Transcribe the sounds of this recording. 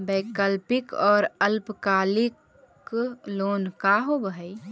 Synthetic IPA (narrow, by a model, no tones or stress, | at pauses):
beːkəlpɪkɔːɾəlpkaːlɪk | loːnkaɦobəɦəi